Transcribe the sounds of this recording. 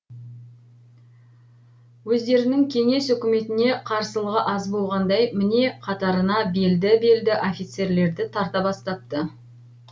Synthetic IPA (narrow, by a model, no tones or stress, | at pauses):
wɵzd̪e̞ɾɪnɪŋkʲʰe̞ŋe̞sʏkʲɪme̞t̪ɪne̞qʰɑɾsəlˠəʁəʔɑzbo̞lˠʁɑnd̪ɑjmɪne̞qʰɑt̪ɑɾənɑbe̞ld̪ɪbe̞ld̪ɪʔo̞fʲijt̪se̞ɾle̞ɾd̪ɪt̪ʰɑɾt̪ɑbɑst̪ɑp̚t̪ə